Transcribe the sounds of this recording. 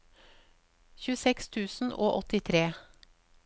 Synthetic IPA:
çʉːəsɛkst̪ʰʉːsn̩ʔo̰ːʔɔt̪ɪt̪ʰɾeː

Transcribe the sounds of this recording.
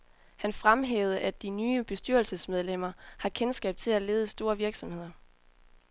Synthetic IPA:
hænfʁamɦḛːʊð̞̩ˠəʔæd̥̚inyːb̥e̝sd̥yɐl̩səsmeð̞ˠlem̰ɐhɑ̈kʰensɡ̥ɛ̰ːb̥̚t͡sʰe̝læle̝ːðˠəsd̥o̝ːɐʋiɐɡ̥sɒ̽mhe̝ð̞̰ˠɐ

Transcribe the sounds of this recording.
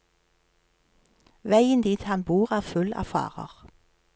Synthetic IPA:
ʋæɪənd̪iːt̪hɑnbuːʁæːʁfʉlæ̰fɑ̰ːʁə̰ʁ

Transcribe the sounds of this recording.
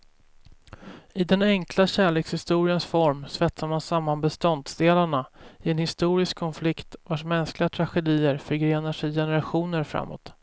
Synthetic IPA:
ɪd̪ɛnɛŋklaɕæːɭeːkshɪst̪uːɾɪənsfɔɾmsvɛt̪saɾmansamːanbɛst̪ɔnd̪sd̪eːlaɳaɪɛnhɪst̪uːɾɪskʰːɔnflɪkt̪vaʂmɛnsklɪɡat̪ʰɾaɧɛd̪iːəɾfœɾɡɾeːnaʂɛjjɛnəɾaɧuːnəɾfɾa̰mːo̰ːt̪

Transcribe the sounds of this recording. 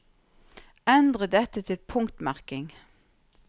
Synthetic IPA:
ɛnd̪ʁəd̪ɛt̪ət̪ʰɪlpʰʊŋkt̪mæʁkɪŋ

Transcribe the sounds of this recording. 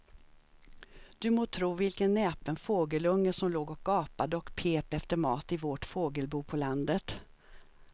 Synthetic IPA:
d̪̥ɵmoːt̪ʰɾuːvɪlkənːɛːpənfoːɡəlɵŋːəʂɔmloːɡɔk̚ɡɑːpad̪əɔkpʰeːpɛft̪əɾmɑːt̪ɪvoːʈfoːɡəlbuːpʰɔland̪ət̪

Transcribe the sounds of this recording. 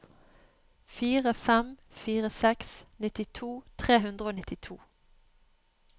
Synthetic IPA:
fiːʁəfɛmfiːʁəsɛksnɪt̪ɪt̪ʰuːt̪ʰʁeːɦʉnd̪ʁəoːnɪt̪ɪt̪ʰṵː

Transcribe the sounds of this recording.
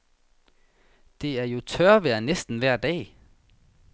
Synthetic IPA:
d̥e̝æɐjo̝t͡sʰœɐʋæɐnesd̥n̩ʋæɐ̰d̥ɛ̰ː

